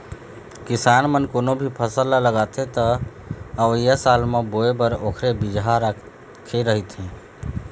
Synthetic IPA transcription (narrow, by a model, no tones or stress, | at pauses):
kisanmənkonobʱipʰəsəlaləɡat̪et̪ə | əʋəjasalmeboebəɾokʰɾebid͡ʒɦaɾa | kʰːeɾəɦit̪ɦɛ̃